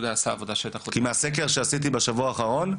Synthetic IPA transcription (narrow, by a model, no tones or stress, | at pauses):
daasaːvod̪aʃet̪aχokimeasek̬e̞ʁʃeasit̪̬ibeʃavuaːχaʁo̞n